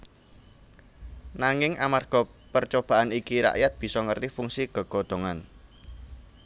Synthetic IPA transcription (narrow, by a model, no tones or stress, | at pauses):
naŋɪŋʔamarɡ̥ɔ̤pərt͡ʃob̥a̤ʔanikiɾa̰ʔjat̪̚b̥i̤sɔŋərt̪ifuŋsiɡ̥ə̤ɡ̥o̤d̪̥o̤ŋan